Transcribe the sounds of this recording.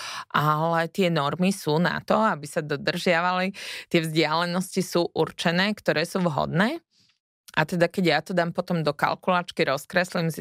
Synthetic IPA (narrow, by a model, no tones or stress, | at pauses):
ʔalɛt̪ɪɛnɔɾmisuːna̰t̪ɔabisad̪ɔd̪r̩ʒɪaʋalit̪ɪɛvzɟɪalɛnɔscisuːʔuɾt͡ʃɛnɛːkt̪ɔɾɛːsuːʋɦɔ̰d̪nɛː | ʔat̪ɛd̪akɛɟjat̪ɔd̪aːmpɔt̪ɔmd̪ɔka̰lkulaːt͡ʃkiɾɔskɾɛslimsi